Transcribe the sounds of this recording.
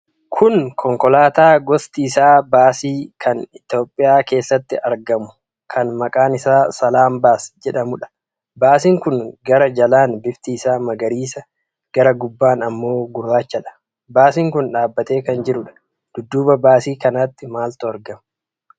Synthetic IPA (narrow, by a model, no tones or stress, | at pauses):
kʰʊnkʰɔŋkɔlaːt̪aːɡɔst̪iːsaːbaːsiːkʰɐnɪt̪jo̞ːpʼːɪjaːke̞ːsːɐt̪ːɪʔɐɾɡɐmʊ̥ | kʰɐnmɐkʼaːnɪsaːsɐlaːmbaːsd͡ʒɛᶑɐmʊᶑɐ̥ | baːsiːŋkʊŋɡɐɾɐd͡ʒɐlaːnbɪft̪iːsaːmɐɡɐɾiːsɐ | ɡ̥ɐɾɐɡʊbːaːnɐmːo̞ːɡʊrːaːt͡ʃːɐᶑɐ̥ | baːsiːŋkʊnᶑaːbːɐt̪e̞ːkɐnd͡ʒɪɾʊᶑɐ̥ | d̪̥ʊd̪ːuːbɐbaːsiːkɐnaːt̪ːɪmaːlt̪ʊɐɾɡɐmʊ̥